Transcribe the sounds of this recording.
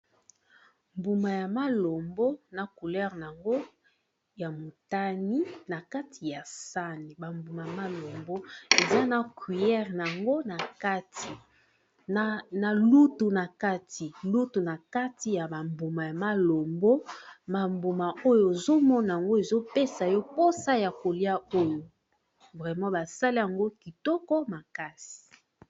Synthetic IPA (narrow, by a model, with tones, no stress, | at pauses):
mbu˨ma˨ja˨ma˦lo˨mbo˦na˨ku˨lɛ˦ʁn˨a˨ŋɡo˦ | ja˨mo˨ta˦ni˦na˨ka˦tʰi˨ja˨sa˦ni˨ba˨mbu˨ma˨ja˨ma˦lo˨mbo˦e˨za˦na˨kwi˨jɛ˦ʁna˨ŋɡo˦na˨ka˦ti˨ | na˨lu˦tu˨na˨ka˦tʰi˨lu˦tu˨na˨ka˦ti˨ja˨ba˨mbu˨ma˨ja˨ma˦lo˨mbo˦ma˨mbu˨ma˨o˦jo˨e˨zo˦mɔ˦na˨a˨ŋɡo˦e˨zo˦pe˦sa˨jɔ˦po˦sa˦ja˨ko˨li˦a˦o˦jo˨ | vʁɛ˨mɑ̃˦ba˨sa˦li˦ja˨ŋɡo˦ki˨tɔ˦kɔ˦ma˨ka˦si̥i̥˨